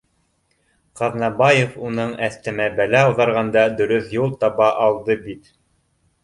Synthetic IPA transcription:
qɑðnɑbɑjefunɤɴæθt̪ɘ̆mæbælæɑwðɑɾʁɑnd̪ɑd̪ɵ̆ɾɵθjulˠt̪ɑβɑʔɑlˠd̪ɤbit̪

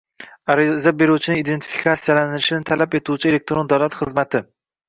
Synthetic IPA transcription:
aɾɪzabe̞ɾut͡ʃʰɪnɪid̪e̞nt̪ʰi̥fi̥kʰat̪sijalanɪlɪʃɪnɪt̪ʰalape̞t̪ʰuwt͡ʃʰɪe̞le̞k̚t̪ɾo̞nd̪awlat̪χɨzmat̪ʰɪ

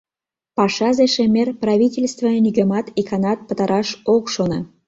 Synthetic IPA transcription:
pɑʃɑzeʃemerprɑvʲitʲelʲst̪vənyɡĕmɑt̪ikʰɑnɑt̪̚pə̆t̪ɑɾɑʃokʃonə̰

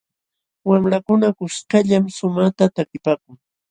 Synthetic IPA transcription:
wamɾakʊnakʊskaʎamsʊmaχt̪at̪akɪpaːkʊŋ

